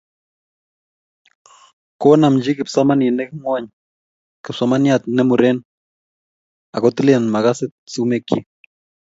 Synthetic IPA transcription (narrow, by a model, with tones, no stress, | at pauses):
ko˦na˨md͡ʒi˦kɪ˨psa˦ma˦ni˨nɛ˦kŋwa˦ɲ | kɪ˨psa˦ma˦nja˨t̪nɛ˦mu˨ɾɛ˦n | a˨kɔ˦t̪i˦lnma˨ka˦sɪ˦tsi˦me˦ki˦